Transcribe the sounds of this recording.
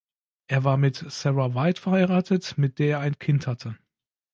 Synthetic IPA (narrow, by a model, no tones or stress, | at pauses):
ʔeːɐvaːɐmɪtsɛʁavaɪtfɛɐhaɪʁaːtʰətmɪt̚d̥eːɐeːɐaɪnkʰɪnthatʰə